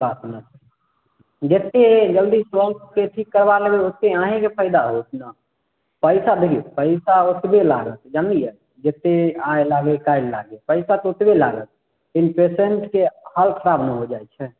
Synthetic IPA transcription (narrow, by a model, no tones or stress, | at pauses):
bat̪nət͡ʃ̪ʰ | d͡ʒet̪ed͡ʒəld̪isʋəɾt̪keʈʰikːəɾbaləɡeoeãɦekepʰəɪd̪aɦot̪na | pəɪsab̪ʱipəɪsaot̪bela̰ɡət̪d͡ʒand̪ijɛ | d͡ʒet̪ːeaelaɡekajnla̰ɡepəɪsat̪ot̪bela̰ɡət̪ | inpeseɳʈkehəlkʰəɾabnəɦod͡ʒajt͡ʃʰɛ